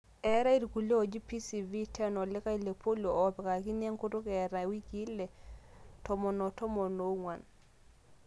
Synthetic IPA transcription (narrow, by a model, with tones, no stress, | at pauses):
ɛ˨˦ɾa˦i˦ɾku˨le˦ɔ˨d͡ʒi˦pi˦si˨vi˦tɛ˦nɔ˨lɪ˦ka˦i˨le˨pʰo˦lo˨ɔ˦pɛ˨ka˨ki˦n˦a˦ŋku˦tʊ˦kɛ˨ɾa˨wi˦ki˦lɛ˨tɔ˨mɔ˨nɔ˨tɔ˦mɔ˨no˨˦ŋwa˨n